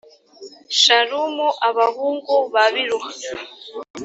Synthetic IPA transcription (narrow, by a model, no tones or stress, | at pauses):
ʃaɺumuʔaβaɣuŋɡɔβaβiɺua